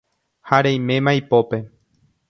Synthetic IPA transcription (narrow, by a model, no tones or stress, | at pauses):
haɾej̃mẽ̞mãjpo̞pe̞